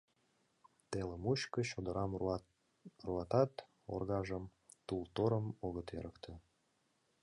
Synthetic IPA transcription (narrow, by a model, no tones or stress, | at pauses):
t̪eləmuɕkəɕod̪əɾʔɑm | ruɑt̪ɑt̪ | o̰rɣɑʒəm | t̪ult̪oɾəmoɣət̪ḛɾʔəkt̪ʰĕ